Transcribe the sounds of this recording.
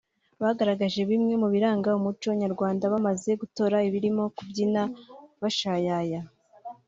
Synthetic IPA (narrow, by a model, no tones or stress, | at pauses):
βaɡaɾaɡaʒe̞βimŋe̞muβiɾaːŋɡaumut͡ʃoβɲaɾɡwaːndaβamaze̞ɡuto̞ɾaiβiɾimo̞kubɟinaβaʃajaja